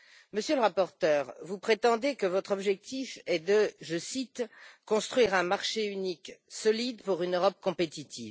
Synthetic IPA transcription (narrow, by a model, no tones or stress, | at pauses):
məsjøləʁapɔʁt̪œːʁvupχet̪ɑ̃d̪ekəvɔt̪χɔbʒɛk̚t̪ifɛd̪əʒəsit̪kɔ̃st̪χɥiʁɛ̃maʁʃeyniksɔlid̪puʁynøʁɔp̚kɔ̃pet̪it̪ʰiv